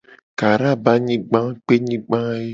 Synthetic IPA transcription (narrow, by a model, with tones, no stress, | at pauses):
ka˨ɾa˦˨ba˦ɲĩ˦ɡ͡bã˦k͡pe˦ɲĩ˦ɡ͡bã˦e˦